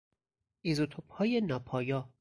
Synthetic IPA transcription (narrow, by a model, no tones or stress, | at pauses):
izot̪ʰophɒːjenɒːpʰɒːjɒː